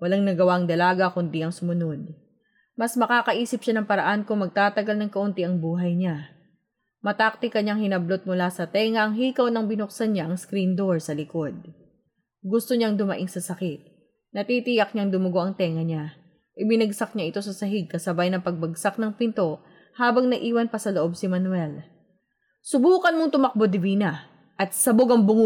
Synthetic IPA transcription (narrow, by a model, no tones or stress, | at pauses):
wɐlaŋnɐɡɐwaʔɐŋd̪ɐlaːɡɐkʊnd̪iʔɐŋsʊmʊno̞d̪̚ | mɐsmɐkaːkɐʔiːsɪp̚ʃanɐŋpɐɾɐʔankʊŋmɐɡ̚t̪aːt̪ɐɡalnɐŋkɐʔʊnt̪iʔɐŋbuːɦɐjɲa | mɐt̪ak̚t̪ɪkɐɲaŋhɪnɐblot̪̚mʊlasɐt̪ɛːŋɐʔɐŋɦiːkɐwnɐŋbɪnok̚sɐnɲaʔɐŋskɾind̪oɹsɐlɪko̞d̪̚ | ɡʊst̪oɲaŋd̪ʊmɐʔɪŋsɐsɐkɪt̪̚ | nɐt̪iːt̪ɪjɐk̚ɲɐŋd̪ʊmʊɡo̞ʔɐŋt̪ɛŋɐɲa | ʔɪbɪnɐɡsɐk̚ɲaʔɪt̪o̞sɐsɐɦɪɡ̚kɐsɐbajnɐŋpɐɡ̚bɐɡsak̚nɐŋpɪnt̪o̞ | haːbɐŋnɐʔiːwɐnpɐsɐloʔo̞bsɪmɐnwɛl | sʊbuːkɐnmoŋt̪ʊmɐk̚bod̪ɪviːnɐ | ʔɐt̪̚sɐboɡɐŋbʊŋ